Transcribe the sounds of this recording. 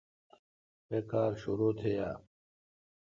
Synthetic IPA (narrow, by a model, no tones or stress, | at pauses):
pekaːɾɕuɾoːt̪ʰejaː